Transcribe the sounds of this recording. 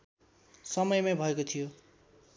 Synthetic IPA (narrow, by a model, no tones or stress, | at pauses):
sʌmʌjmabʱʌekot̪ʰijo